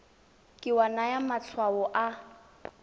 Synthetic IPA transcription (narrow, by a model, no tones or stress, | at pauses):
kʼɪwanajamat͡ɬʰwaɔʔa